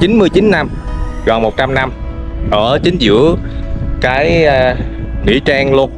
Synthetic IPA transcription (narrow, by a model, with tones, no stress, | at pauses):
t͡ɕi˨˦nmɨ˧əjt͡ɕi˨˦nːa˧m | ɣɔː˨˩mo˨˩t̚t͡ɕa˧mna˧m | ʔəː˧˩t͡ɕï˨˦ŋ̟zɨ̰˧˥ə | kaː˨˦j | ŋḭ˧˥t͡ɕaː˧ŋlu˧ən